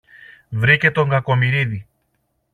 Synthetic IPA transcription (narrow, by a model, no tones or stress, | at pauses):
vɾice̞t̪o̞ŋɡɐko̞miɾiði